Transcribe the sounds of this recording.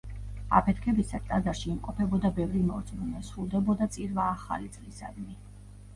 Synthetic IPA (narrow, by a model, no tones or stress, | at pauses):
a̰pʰɛt̪ʰkʰɛbisast̪ʼazaɾʃiːmqʼɔpʰɛbɔd̪abɛvɾimɔɾt̪sʼmunɛsɾulˠd̪ɛbɔd̪at̪sʼiɾvaːχa̰lit̪sʼlisa̰d̪mi